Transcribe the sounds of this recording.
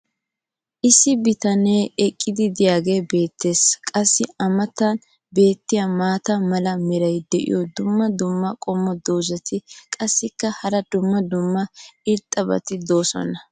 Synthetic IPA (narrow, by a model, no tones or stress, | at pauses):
ʔɪsːɪbɪt̪ɐneːɛkʼːɪd̪ɪd̪ɪjaːɡe̞ːbe̞ːt̪ːe̞ːskʼɐsːɪɐmɐt̪ːɐn | be̞ːt̪ːɪjamaːt̪ɐmɐlɐmɛɾɐjd̪ɛʔɪ̰jɔd̪ʊmːɐd̪ʊmːɐkʼɔmːɔd̪oːzɐt̪ʰɪkʼɐsːɪkːɐhɐɾɐd̪ʊmːɐd̪ʊmːɐɪɾt̪ʼːɐbɐ̰t̪ɪd̪o̞ːsɔ̰nɐ